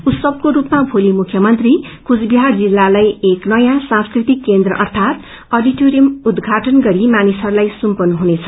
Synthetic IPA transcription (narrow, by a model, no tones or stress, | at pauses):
ut̪sʌb̚koɾupmabʱolimukʰjʌmʌnt̪ri | kud͡zbiɦard͡zilːalajeknʌjãsãskrit̪ikːend̪rʌʔʌrt̪ʰat̪ | ʌɖiʈoɾijʌmud̪ɡʱaʈʌnɡʌɾimanisʌɾulajsumpʌnɦunet͡sʰʌ̥